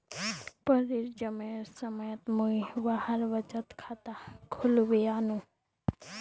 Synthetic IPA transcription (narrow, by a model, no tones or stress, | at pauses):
pəɾiɾd͡ʒəmeɾsəməjət̪muiʋahəɾʋəd͡ʒət̪kʰat̪akʰʊluʋianũ